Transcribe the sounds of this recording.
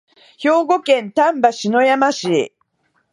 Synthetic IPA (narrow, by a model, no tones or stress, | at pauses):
ço̞ːɡo̞kẽ̞nt̪ãmbaɕino̞jamaɕi